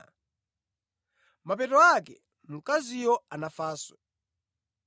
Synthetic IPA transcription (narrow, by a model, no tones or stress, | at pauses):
map̬ɛtɔakɛ̰ | mukazijɔanafaːswɛ